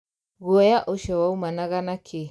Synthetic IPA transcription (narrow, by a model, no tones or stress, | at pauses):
ɣuɔjaʔoʃɔwaumanaɣanakʰe